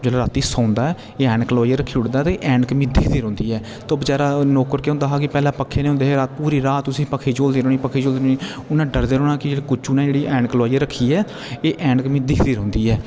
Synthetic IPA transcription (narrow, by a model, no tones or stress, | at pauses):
d͡ʒɛːlaɾaːt̪iːsãːnd̪aːɛː | eːɛːɳkəlaːijaːɾəkʰːiːʊɽd̪aːt̪eʔɛːɳkmĩːd̪ɪkʰd̪iːɾõːnd̪iːɛː | t̪oːbəd͡ʒaːɾaːnoːkəɾkeõnd̪aːɦaːkɪpɛːlãːpəkʰːeːnːʊ̃nd̪eːeɾaːt̪̚puːɾiːɾaːt̪ːʊsĩːpəkʰːiːd͡ʒoːld̪eːɾoːniːpəkʰiːd͡ʒoːld̪eːɾ̃ːiːʊnãːɖəɾd̪eːɾoːnaːkɪd͡ʒeːɽiːkʊt͡ʃuːnãd͡ʒeːɽiːʔɛːɳkəlʋaːijaɾəkʰːiːɛː | eːʔɛːɳkəmĩːd̪ɪkʰd̪iːɾɔ̃ːnd̪iːɛː